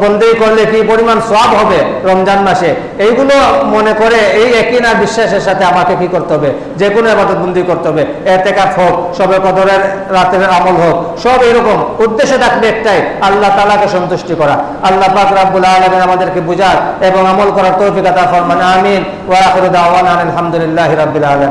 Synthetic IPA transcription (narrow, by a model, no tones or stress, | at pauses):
bond̪ʱijkoɾlekipoɾimansoabɦɔbeɾɔmd͡ʑanmaʃe | ejɡulomonekoɾeejekinaɾbiʃːaʃeɾʃat̪ʰeamakekikoɾt̪eɦɔbe | d͡ʑekonoebad̪ot̪bond̪ʱijkoɾt̪eɦɔbe | et̪ekafɦok̚ʃɔbekɔd̪oɾeɾː | at̪eɾamolɦokʃɔbejɾɔkomud̪ːeʃet̪ʰakʰbeɛk̚ʈajalːat̪alakeʃɔnt̪uʃʈikɔɾa | alːapakɾabːulaːlaminamad̪eɾkebud͡ʑʱaɾeboŋamolkɔɾaɾt̪owfikat̪afɔɾmanaːmin | waaːxeɾod̪aːwananelɦamd̪ulilːaɦiɾabːulaːlami